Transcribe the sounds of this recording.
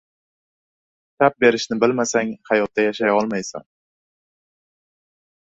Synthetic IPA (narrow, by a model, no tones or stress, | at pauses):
t̪ʰap̚be̞ɾɪʃnɪbɪlmasaŋhajɒt̪̚ːajaʃajɒlˠmajsa̰n